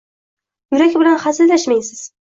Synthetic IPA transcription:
jʊɾakʲbɪlanχazɪllaʃmajsɪz̥

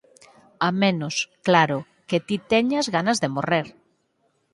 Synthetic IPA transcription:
amẽnosklaɾo | ket̪it̪eɲazɣanazðemoreɾ

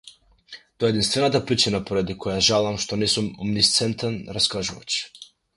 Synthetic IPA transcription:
t̪ɔaɛːd̪inst̪vɛnat̪apɾit͡ʃinapɔɾad̪ikɔjaʒalˠamʃt̪ɔnɛsumɔ̰mnist̪sɛnt̪ɛnɾaskaʒuva̰t͡ʃ

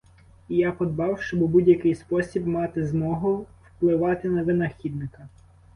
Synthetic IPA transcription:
ijapɔd̪bɑwʃt͡ʃɔbʊbudʲjɐkɪjspɔsʲibmɑt̪ɪzmɔɦʊwplˠɪʋɑt̪ɪnɐʋɪnɐxʲid̪̚nɪkɐ

